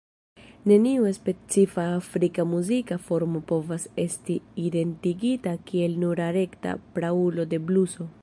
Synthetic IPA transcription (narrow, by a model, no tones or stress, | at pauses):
ne̞niue̞spe̞t͡sifaːfɾikamuzikafo̞ɾmo̞po̞vase̞stiːde̞ntiɡitakie̞lnuɾaɾe̞kta̰pɾaulo̞de̞bluso̞